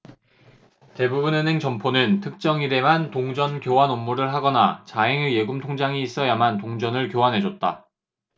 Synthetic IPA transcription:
te̞bubunɯnɦe̞ŋt͡ɕʌmpʰonɯntʰɯk̚t͡ɕ͈ʌŋide̞mantoŋd͡ʑʌnkjowanomːuɾɯɭɦaɡʌnat͡ɕaeŋɯɭje̞ɡumtʰoŋd͡ʑaŋiːs͈ʌjamantoŋd͡ʑʌnɯɭkjowanɦe̞d͡ʑʌt̚t͈a

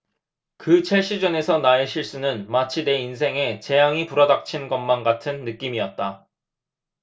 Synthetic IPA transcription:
kɯt͡ɕʰeɭɕ͈id͡ʑʌne̞sʰʌnaeɕʰiɭs͈unɯnmat͡ɕʰine̞ins̬ʰe̞ŋe̞t͡ɕe̞jaŋipuɾʌdak̚t͡ɕʰinɡʌnmanɡatʰɯnːɯk͈imiʌt̚t͈a

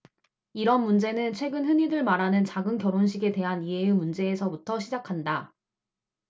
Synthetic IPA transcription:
iɾʌnmund͡ʑe̞nɯnt͡ɕʰwe̞ɡɯnɸɯɲidɯɭmaɾanɯnt͡ɕaɡɯnkjʌɾonɕ̬ʰiɡe̞te̞ɦaniejumund͡ʑe̞ːsʰʌbutʰʌɕʰid͡ʑakʰanda

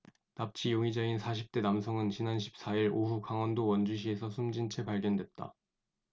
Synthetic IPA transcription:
nap̚t͡ɕʰijoŋid͡ʑʌinsʰaɕ̬ʰip̚t͈e̞namsʰʌŋɯnt͡ɕinanɕʰi̥p̚s͈aiɾoɸukaŋwʌndowʌnd͡ʑuɕ̬ʰie̞sʰʌsʰumd͡ʑint͡ɕʰe̞paɭɡjʌndwe̞t̚t͈a̰

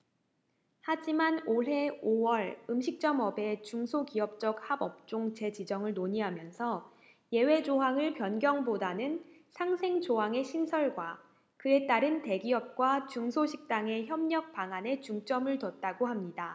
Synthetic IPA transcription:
had͡ʑimanoɦe̞owʌɭɯmɕʰik̚t͡ɕ͈ʌmʌbe̞t͡ɕuŋsʰokiʌp̚t͡ɕ͈ʌk̚habʌp̚t͡ɕ͈oŋt͡ɕe̞d͡ʑid͡ʑʌŋɯɭnoɲiɦamjʌnsʰʌ | je̞we̞d͡ʑoɦaŋɯɭpjʌnɡjʌŋbodanɯn | sʰaŋsʰe̞ŋt͡ɕoɦaŋe̞ɕʰinsʰʌɭɡwa | kɯe̞t͈aɾɯnte̞ɡiʌp̚k͈wat͡ɕuŋsʰoɕʰik̚t͈aŋe̞çjʌmɲʌk̚p͈aŋane̞t͡ɕuŋt͡ɕ͈ʌmɯɭtʌt̚t͈aɡohamɲida

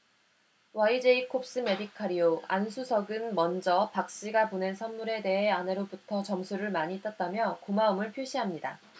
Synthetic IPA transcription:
waid͡ʑe̞ikʰop̚s͈ɯme̞dikʰaɾioa̰nsʰusʰʌɡɯnmʌnd͡ʑʌpak̚ɕ͈iɡapone̞nsʰʌnmuɾe̞de̞ɦe̞ane̞ɾobutʰʌt͡ɕʌmsʰuɾɯɭmaɲit͈ʌt̚t͈amjʌkomaɯmɯɭpʰjoɕʰiɦamɲida

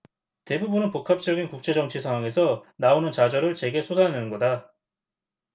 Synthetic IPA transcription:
te̞bubunɯnpokʰap̚t͡ɕ͈ʌɡinkuk̚t͡ɕ͈e̞d͡ʑʌŋt͡ɕʰisʰaŋɦwaŋe̞sʰʌnaonɯnt͡ɕad͡ʑʌɾɯɭt͡ɕe̞ɡe̞sʰosʰanenɯnɡʌda

